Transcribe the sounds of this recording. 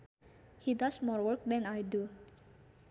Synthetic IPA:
hidasmɔɹwəɹk̚dɛ̃najdu

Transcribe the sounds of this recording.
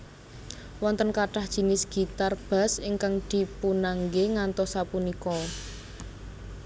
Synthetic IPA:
wɔnt̪ənkaʈahd̥ʒ̥i̤nɪsɡ̥i̤t̪arb̥a̤sɪŋkaŋd̪̥i̤punaŋɡeŋant̪ɔsapunikɔ

